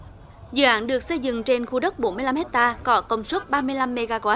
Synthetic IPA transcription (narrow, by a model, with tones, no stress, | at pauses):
zɨ̰ː˧˩ʔa̰ː˧˨˥nɗɨ˨˩ək̚sə˧jzɨ̰˧˨ŋt͡ɕe˧nxu˧ɗə˦˥k͡p̚ɓo˨˦nmɨ˧jla˧mhe˦˥k̚t̪aː˧kɔ˨˦kə˧˩wŋ͡mswə˦˥t̚ɓaː˧mɨ˧əjla˧mːe˧ɣaː˧ɣwaː˦˥